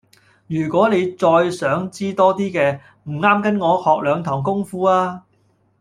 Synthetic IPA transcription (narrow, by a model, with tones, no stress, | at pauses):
jyː˨˩kʷɔː˨˥ne˨˧jt͡sɔː˧jsœː˨˥ŋt͡siː˥t̪ɔː˥t̪iː˥kɛː˧ | m̩˨˩ŋaː˥mkɐ˨˥nŋɔː˨˧hɔː˨k̚lœː˨˧ŋt̪ʰɔː˨˩ŋkʊ˥ŋfuː˥aː˥